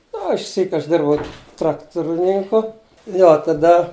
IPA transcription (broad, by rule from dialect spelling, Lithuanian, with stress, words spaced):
nʊ oː ɪʃʲˈsʲiːk ɐʃ ˈdʲɪrbɐʊ ˈtrɑːktʊrʲɪnʲɪŋkʊ nʊ oː tɐˈdɐ